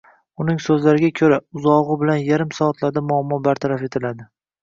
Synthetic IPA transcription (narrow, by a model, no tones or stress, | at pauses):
ʊnɪŋsɵzlaɾɪɡʲakʲʰɵɾaʊzɒʁɨbɪlanjaɾɪmsɒːt̪ʰlaɾd̪amʊamːɒbaɾt̪ʰaɾafe̞t̪ʰɪlad̪ɪ